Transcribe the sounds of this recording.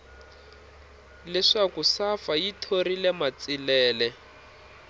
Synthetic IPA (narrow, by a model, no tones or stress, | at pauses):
lɛʂakusafajitʰoɾilɛmat͡silɛːlɛ